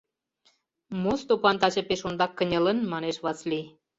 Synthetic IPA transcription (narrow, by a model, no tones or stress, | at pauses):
must̪opɑnt̪ɑt͡ɕĕpeʃond̪ɑkːənʲə̆lənmɑneʃβɑsli